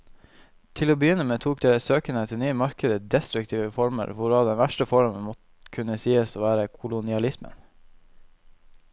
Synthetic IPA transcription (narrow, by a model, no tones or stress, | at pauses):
t̪ʰɪloːbəjʏnəmeːt̪ʰuːk̚d̪eːləsøːkənət̪ʰɪlnyːəmɑɾkəd̪əd̪ɛst̪ɾʉkt̪ʰiːʋəfɔɾmə̰ɾʋʊɾɑːd̪ɛnʋæʃʈəfɔɾmənmɔt̪ | kʰʉnəsiːəsoːʋæːɾəkʰʊlʊnɪɑlɪsmə̰n